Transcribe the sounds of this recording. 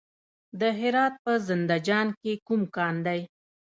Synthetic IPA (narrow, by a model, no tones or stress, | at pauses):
d̪əɦɪɾɑt̪̚pəzɪnd̪ad͡ʒɑnkekumkɑnd̪aj